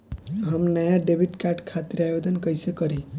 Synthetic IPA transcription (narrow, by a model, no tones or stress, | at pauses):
ɦəmnəjaɖebʱiʈkaɾʈkʰat̪iɾajod̪ənkəjsekəɾi